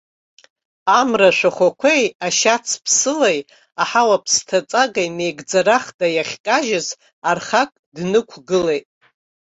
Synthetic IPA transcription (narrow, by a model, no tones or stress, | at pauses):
amraʃʷᶣaχʷakʷʰejaʃat͡sʰpʰsɨlej | aħawapʰstʰat͡sʼaɡajne̞jɡd͡zaɾaχdajaχʲkʼaʒɪz | arχakʼdnɨkʷʰɡɨlejtʼ